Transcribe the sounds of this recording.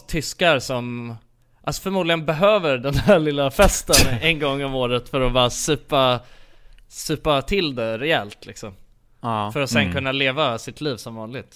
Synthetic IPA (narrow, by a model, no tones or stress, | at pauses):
t̪ʰːʏskaɾsɔm | ʔalsɔ̥fœɾmuːd̪lɪɡənbɛɦøːvəɾɖɛnɦæɭɪlːafɛst̪ənɛnɡɔŋːɔmoːɾət̪fœɾɔbɑːɾasʉ̟ːpa | sʉ̟ːpat̪ʰɪld̪ɛɾɛɛlt̪lɪksɔm | fœɾɔsɛnkɵnːaleːvasɪt̪ʰliːvsɔmvɑːnlɪɡt̪